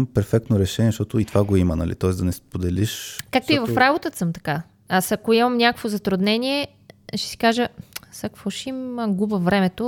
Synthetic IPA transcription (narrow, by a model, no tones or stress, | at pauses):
mpɛɾfɛk̚t̪noɾɛʃɛniɛʃt̪ɔt̪ʊit̪ovaɡoimənɐ̰lḭt̪ɔɛsd̪ɐnɛspod̪ɛliʃkak̚t̪oivɐffɾabot̪ət̪səmt̪ɐ̥ka | asɐkoimɐmnʲakəkvozɐt̪ɾʊd̪nɛnʲiɛ | ʃɛ̥si̥kaʒəsakvɔʃiməɡubəvɾɛmɛt̪o